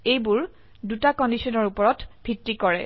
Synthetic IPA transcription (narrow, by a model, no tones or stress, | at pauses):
ejbuɹ | dutakɔndisɔnɔɹupɔɹɔtb̥ʱitɹikɔɹɛ̰